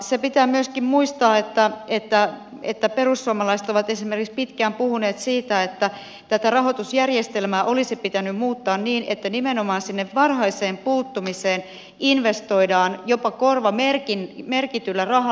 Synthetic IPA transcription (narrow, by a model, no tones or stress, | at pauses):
sepit̪æːmyøskimmuist̪ɑːet̪ːæet̪ːæ | et̪ːæperusːuomɑlɑise̥t̪oʋɑt̪esimerkikspit̪kæːmpuhuneːt̪siːt̪æet̪ːæ | t̪æt̪ærɑɦot̪usjærjest̪elmæːʔo̞lisipit̪ænymmuːt̪ːɑːnniːnet̪ːænimenomɑːnsinːeʋːɑrhɑiseːmpuːt̪ːumiseːn | inʋest̪o̞idɑːnjopɑkorʋɑmerkinmerkit̪ylːærɑɦɑ